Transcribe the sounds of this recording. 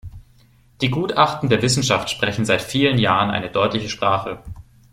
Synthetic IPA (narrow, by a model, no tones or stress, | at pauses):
d̥iːɡuːtʔaχtn̩deːɐvɪsn̩ʃaftʃpʁ̥ɛçn̩zaɪtfiːlənjaːʁənʔa̰ɪnədɔʏtlɪçəʃpʁ̥aːχə